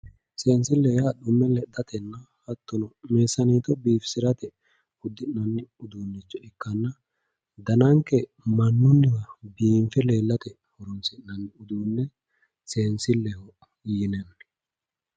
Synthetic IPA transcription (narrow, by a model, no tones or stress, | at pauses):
seːnsɪlːɛhɐɗʊmːɛlɛd̪ɐt̪ɛnːɐ | hɐt̪ːɔnɔmeːsɐniːt̪ɔbiːfsɪɾɐt̪ɛ | ʊd̪ːɪnːɐnːɪʊd̪uːnːɪt͡ʃːɔɛkːɐnːɐ | d̪ɐnɐŋkːɛ | mɐnːʊnːɪkɐbiːmfɛle̞ːlːɐt̪ɛ | hɔɾɔnsɪʔnɐnːɪʊd̪uːnːɛ | seːnsɪlːɛhɔʔ | jɪnɛ